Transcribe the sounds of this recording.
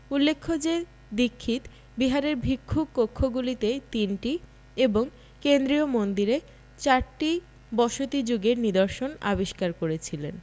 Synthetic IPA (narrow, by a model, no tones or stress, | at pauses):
ulːekʰːod͡ʑe | d̪ikʰːit̪ | biɦaɾeɾbʱikʰːukːokʰːoɡulit̪et̪inʈi | eboŋ | kend̪ɾiomond̪iɾe | t͡ɕaɾʈi | bɔʃot̪id͡ʑoɡeɾnid̪oɾʃona̰biʃkaɾkoɾet͡ɕʰilen